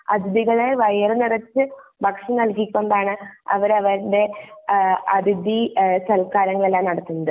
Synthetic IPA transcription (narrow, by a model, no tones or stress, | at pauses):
ɐd̪ʱid̪iɣɐɭeʋɐjɐrɨnirɐt͡ɕːɨbʱɐkʂɐnɐlkikʲːoɳɖaːɳɨɐ̰ʋɐɾɐʋɐɾnɖe̞ | ɐd̪ʱid̪isɐlkaːɾɐŋːɐɭe̞lːaːmnɐɽɐt̪ːunːɐd̪ɨ